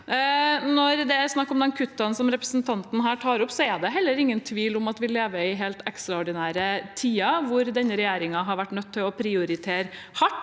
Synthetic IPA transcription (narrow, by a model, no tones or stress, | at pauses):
nɔɾd̪ɛsnɑkːɔmd̪ɛnkʰʉt̪ːɑnsɔmɾɛpɾəsnt̪ʰɑnt̪n̩ɦæːʈʰɑːɾɔpsɔɛd̪ɛɦɛlːəɾɪŋːənt̪ʰʋiːlʊmɑt̪ʋɪlːeːʋəɪɦeːlt̪ɛkst̪ɾɑɔɖɪnæːɾət̪ʰiːɑʋʊɾd̪ɛnːəɾɛjeːɾɪŋɑɦɑɾʋæʈːnœt̪ʰːɪlɔpʰɾɪʊɾɪt̪ʰeːɾ | hɑʈː